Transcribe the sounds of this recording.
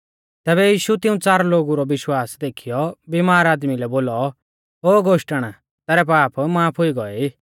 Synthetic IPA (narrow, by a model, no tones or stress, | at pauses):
t̪ɛːβɛjiːʃut̪ɪũt͡saːɾloːɡuɾɔʋɪʃwaːsd̪eːkʰijɔbimaːɾaːd̪milɛboːlɔ | oːɡoːʃʈəɽ̃ | t̪ɛːɾɛp̬aːpmaːpʰʊiɡɔɛiː